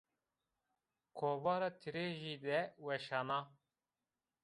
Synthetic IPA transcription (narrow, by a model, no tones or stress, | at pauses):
kʰoːbɑːɾɑːt̪ʰiɾeːʒiːd̪ɛwɛʃɑːnɑː